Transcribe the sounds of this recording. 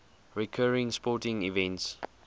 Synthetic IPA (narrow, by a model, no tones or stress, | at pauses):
ɹikʰɜːɹɪ̃ŋspɔtɪ̃ŋivɛ̃nts